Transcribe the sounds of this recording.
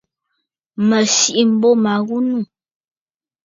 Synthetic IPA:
mə˨ʃi˦ʔi˦m̩˨bo˦ma˨ɣu˦nu˦˨

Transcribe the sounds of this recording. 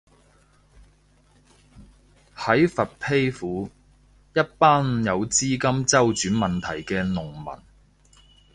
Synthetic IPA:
hɐ˨˥jfɐ˨t̚pʰe˥jfuː˨˥ | jɐ˥t̚paː˥njɐ˨˧wt͡siː˥kɐ˥mt͡sɐ˥wt͡ʃyː˨˥nmɐ˨nt̪ʰɐ˨˩jkɛː˧nʊ˨˩ŋmɐ̰˨˩n

